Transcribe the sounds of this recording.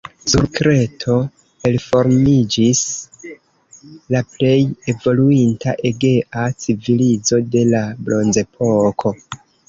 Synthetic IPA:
suɾkɾe̞tʰo̞ | e̞lfo̞ɾmid͡ʒis | laple̞je̞vo̞luintaʔe̞ɡe̞ʔat͡sivilid͡zo̞de̞lablo̞nze̞pʰokʰo̞

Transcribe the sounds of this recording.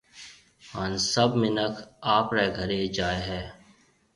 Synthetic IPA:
haːnsɐbmɪnəkʰaːpɾeːɡʱɐɾed͡ʒaːeɦɛː

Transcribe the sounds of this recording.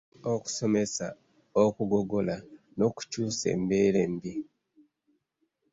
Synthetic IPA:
oku̥so̞mesa | okuɡo̞ɡo̞la | no̞ku̥cuːse̞̰ːmbeːɾembi

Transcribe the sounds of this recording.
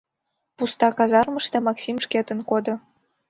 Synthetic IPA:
pust̪ɑkɑzɑrməʃt̪ɑmɑksʲimʃket̪ə̆nkod̪ɤ̆

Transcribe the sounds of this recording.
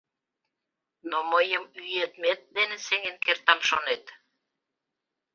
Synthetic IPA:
noməjəmyjet̪met̪̚d̪enəseŋenkert̪ɑmʃonet̪

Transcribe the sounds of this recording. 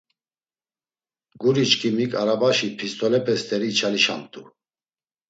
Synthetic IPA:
ɡuɾit͡ʃkʰimikʼaɾabaʃipʰist̪ʰʼɔlɛpʰʼɛst̪ʼɛɾiːt͡ʃʰaliʃa̰mt̪ʼu

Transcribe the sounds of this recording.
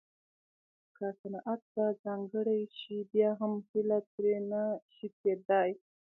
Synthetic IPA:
kasanaʔat̪azɑŋɡəɽajʃibjɑɦamhilat̪ɾenaʃit̪ed̪ɑj

